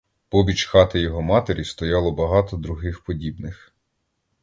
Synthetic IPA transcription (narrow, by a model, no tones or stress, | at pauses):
pɔbʲit͡ʃxɑt̪ɪjɔɦɔmɑt̪eɾʲist̪ɔjɑlˠɔbɐɦɑt̪ɔd̪ɾʊɦɪxpɔdʲibnɪx